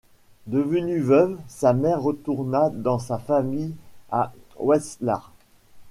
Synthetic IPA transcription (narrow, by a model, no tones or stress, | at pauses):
d̪əvənyvœvsamɛʁːət̪uʁnad̪ɑ̃safamija̰wɛsla̰ʁ